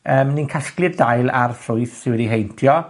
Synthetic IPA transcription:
əːmninkʰasklˠɨrdajlˠa̰rθrʊɨθsɪwɪdiɦejntʰjɔ

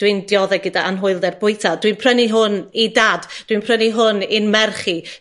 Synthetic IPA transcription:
d̥windjɔðɛɡədaʔanɦʊɨlˠdɛrbʊɨtʰadwinpʰr̥əniɦʊnidaːdd̥winpʰrəniɦʊnɪnmɛrχi

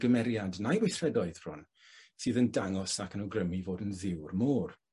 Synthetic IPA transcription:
ɡəmɛɾjadnajwɪθrɛdɔɨðr̥ʊ̰n | sɨːðəndaŋɔsakʰənəwɡrəmivoːdənðɪwrmɔːr

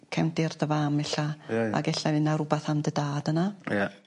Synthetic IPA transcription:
kʰɛwndɪrðəvamɛɬaa̰ɡɛɬavɨnaɾʊbaθamdədaːdənaja

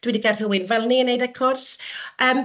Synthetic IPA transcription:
d̥wɪdiɡʰar̥həwɪnvɛlˠniənːejdɛkʰɔrsəːm

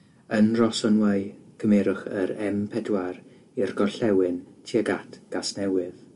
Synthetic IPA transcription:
ənrɔsɔnwaɨkʰəmɛɾʊχəɾɛmpʰɛdwaɾ | irɡɔɬɛwɪntʰiaɡatʰɡ̥asnɛwɪð

